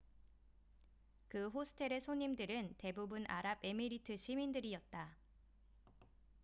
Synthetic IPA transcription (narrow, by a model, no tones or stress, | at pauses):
kɯɦosʰɯ̥tʰe̞ɾe̞sʰoɲimdɯɾɯnte̞bubunʔaɾabe̞miɾitʰɯɕʰimindɯɾiʌt̚t͈a